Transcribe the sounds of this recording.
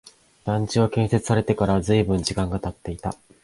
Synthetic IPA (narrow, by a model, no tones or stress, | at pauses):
d̪̥ãɲ̟t͡ɕiɡokẽ̞ɰ̃se̞t͡sɨ̥saɾe̞t̪e̞kaɾazɨibɯ̟̃ɲ̟d͡ʑikãŋɡat̪at̪ːe̞it̪a̰